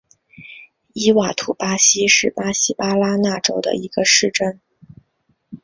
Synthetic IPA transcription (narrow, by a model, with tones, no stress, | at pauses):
i˥wa˨˩t̪ʰu˨˩pa˥ɕi˥ʂɻ̩˥˩pa˥ɕi˥pa˥la˥na˥˩ʈ͡ʂo˥ʊd̪ə̰˧i˧˥ɡ̥ə˧ʂɻ̩˥˩ʈ͡ʂə˥˩n